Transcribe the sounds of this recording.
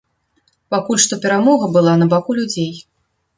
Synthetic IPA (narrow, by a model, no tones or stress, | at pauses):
pakulʲʂt̪ɔpʲɛɾamɔɣɐbɨlˠanɐbakulʲud͡zʲej